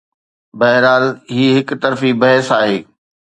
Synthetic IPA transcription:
bɐɦɪɾaːlɦiːɦɪkt̪ɐɾfibɐɦɪsaːɦeː

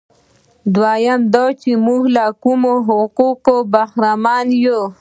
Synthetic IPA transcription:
d̪wajamd̪ot͡ʃimuhlakumoɦʊquqobaxɾamɑːnjo

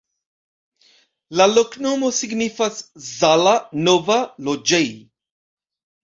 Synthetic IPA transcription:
lalokno̞mo̞siɡnifaszalanovalod͡ʒej

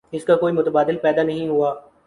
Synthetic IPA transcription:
ɪskakoːimʊt̪əbaːd̪ɪlpɛːd̪anɐɦĩɦuaː

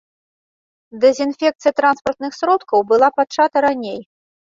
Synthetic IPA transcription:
d̪ɛzʲinfʲɛk̚t̪sɨjɐt̪ɾanspɐrt̪nɨxsɾɔt̪kɐwbɨlˠapat͡ʂːat̪ɐɾanʲej

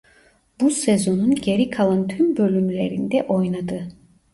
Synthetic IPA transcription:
busezo̞nunɟe̞ɾikʰalˠant̪ʰymbø̞lʲymlʲeɾind̪ɛʔo̞jnad̪ɯ

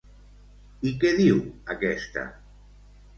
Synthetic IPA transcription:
ikeðiwakɛst̪a̰

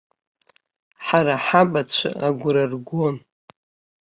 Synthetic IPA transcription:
ħaɾaħabat͡ɕʷʰa̰aɡʷʊɾarɡʷon

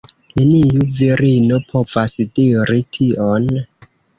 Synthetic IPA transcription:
nenijuviɾinopʰo̞v̥asdiɾitʰion

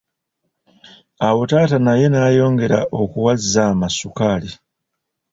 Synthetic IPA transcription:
awo̞taːtanaje̞naːjo̞ːŋɡe̞ɾaʔokuwazːamasukaːli

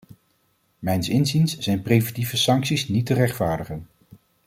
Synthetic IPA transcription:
mɛjnsɪnzinsz̥ɛjnprejvɛntivəsɑŋksisnitərɛχtfaːɹdəχən

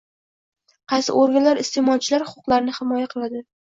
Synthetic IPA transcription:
qʰɑjsɪ̰ʔoɾɡʲalaɾɪst̪ʰemɒlt͡ʃʰɪlaɾhʊ̥qʰʊqlˠaɾnɪhɪmɒjaqʰɨlˠad̪ɪ

